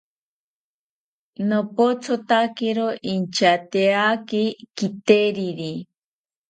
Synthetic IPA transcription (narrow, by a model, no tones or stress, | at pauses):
nopot͡sʰot̪akiɾoʔint͡ʃat̪eakikit̪eɾiɾi